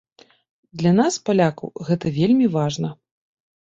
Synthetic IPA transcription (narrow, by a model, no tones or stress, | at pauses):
d̪lʲan̪aspalʲakɐ̰wɣɛt̪ɐvʲelʲmʲivaʐnɐ